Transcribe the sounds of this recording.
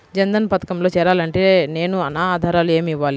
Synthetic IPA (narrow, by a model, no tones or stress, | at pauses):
d͡ʒɐnd̪ɐnɐpɐt̪ɐkɐmlo̞ːt͡ʃɛːɾaːlɐɳʈe̞ːne̞ːnuɐnaːaːd̪ʱaːɾaːlue̞ːmiʋːaːli